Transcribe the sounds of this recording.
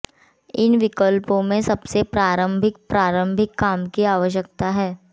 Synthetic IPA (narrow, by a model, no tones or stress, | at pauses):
ɪnʋɪkəlpõmẽsɐbsepɾaːɾə̃mbʱɪk̚pɾaːɾə̃mbʱɪkːaːmkiaːʋəʃ̬jək̚t̪aɦɛː